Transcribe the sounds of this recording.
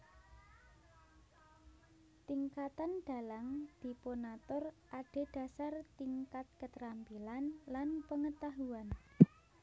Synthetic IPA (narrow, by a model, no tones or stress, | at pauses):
t̪iŋkat̪anɖ̥a̤laŋd̪̥i̤ponat̪ɔrʔaɖ̥e̤d̥a̤sart̪iŋkat̪̚kət̪ɾampilanlanpəŋət̪aɦuan